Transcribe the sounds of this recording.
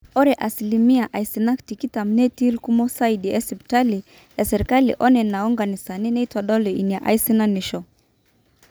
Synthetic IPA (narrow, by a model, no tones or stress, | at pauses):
ɔɾɛʔasilimiaʔaisinaktikitam̩nɛtilkumɔsaidiɛsɛpi̥tali | jasɛɾikalḭʔɔnɛnaɔŋɡanisaninɛitwaɗɔlɔiniaʔa̰isinaniʃɔ